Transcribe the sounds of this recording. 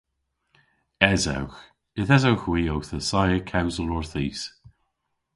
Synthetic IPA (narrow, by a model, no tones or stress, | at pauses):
ɛza̰wx | ɪθɛzawxwiːowθəsajəkʰawzəlɔɹθiːs